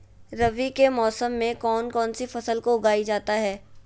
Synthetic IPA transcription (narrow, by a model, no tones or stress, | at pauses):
ɾɐʋikemɔːsəmːẽkɔːnkɔːnsifɐsəlkoʊɡaːid͡ʒaːt̪aɦɛː